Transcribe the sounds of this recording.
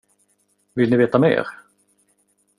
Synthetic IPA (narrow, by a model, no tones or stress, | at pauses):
vɪlnɪveːt̪amḛːɾ